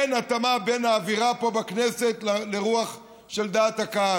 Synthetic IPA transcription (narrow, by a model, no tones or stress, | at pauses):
enat̪amabe̞naːviʁapo̞baknese̞t̪lleʁuaχ | ʃe̞ld̪aːt̪hakaa